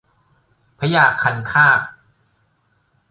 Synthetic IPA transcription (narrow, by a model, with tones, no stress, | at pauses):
pʰa˧˦jaː˨˩kʰːa˧nkʰaː˥˩k̚